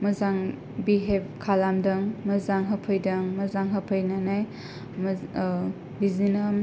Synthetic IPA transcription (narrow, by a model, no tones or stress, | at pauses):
mɐzaŋ | biɦeb̚kʰalamdɐŋmɐzaŋɦəpʰɯjdɐŋmɐzaŋɦɐpʰɯjnanaj | bizinam